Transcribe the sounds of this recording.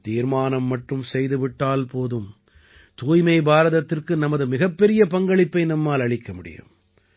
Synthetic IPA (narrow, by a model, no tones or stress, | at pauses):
t̪iːɾmaːnɐmːɐʈrɯmsɛjðɯʋɪʈːaːlpoːðɯm | t̪uːjmɐɪbaːɾɐðɐt̪ːɪrkɯnɐmɐðɯmɪɣɐpːɛɾɪjɐpɐŋɡɐɭɪpːɐɪnɐmːaːlɐɭɪkːɐmʊɽɪ̰jɯ̰m